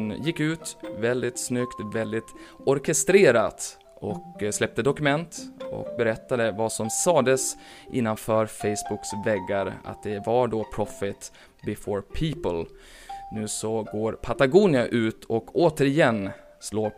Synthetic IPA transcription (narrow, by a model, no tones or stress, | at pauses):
njɪkːʉ̟ːt̪vɛld̪ɪt̪snʏkt̪vɛld̪ɪt̪ɔɾkʰɛst̪ɾeːɾat̪ | ɔkslɛp̚t̪əd̪ɔkɵmɛnt̪ɔ̰k̚bɛɾɛt̪ːad̪əvasɔmsɑːd̪əsʔɪ̰nːanfœːɾfɛɪsbʊksvɛɡːaɾa̰t̪̚d̪ɛvaɖoːpʰɾɔfɪt̪ | bɪfoːɹpʰiːpəlnʉ̟ːsɔɡoːɾpʰat̪aɡuːnɪaʔʉ̟ːt̪ʰɔkoːt̪əɾɪjɛnː | sloː